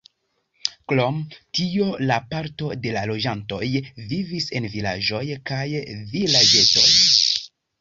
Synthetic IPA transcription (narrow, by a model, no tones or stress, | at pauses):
klo̞mtio̞lapaɾto̞de̞lalo̞d͡ʒanto̞jvivise̞nvila̰ʒo̞jkajvilad͡ʒe̞to̞̰j